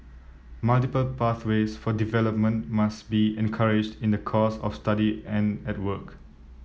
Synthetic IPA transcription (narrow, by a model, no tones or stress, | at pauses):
maltipəlpaθwesfɔdivɛləp̚mə̃nmasbiɛ̃nkʰaɹɪd͡ʒdĩndəkʰɔsɔ̰fstadiɛ̃nɛt̚wək